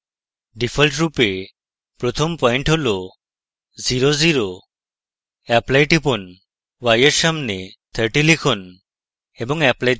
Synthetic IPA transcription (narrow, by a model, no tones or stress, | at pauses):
ɖipʰəlʈɾupe | pɾɔt̪ʰɔmpɔjɳʈɦolo | ziɾoziɾo | ɛplajʈipɔn | wajeɾsamnet̪ʰəɾʈilikʰɔn | ebɔŋɛplaj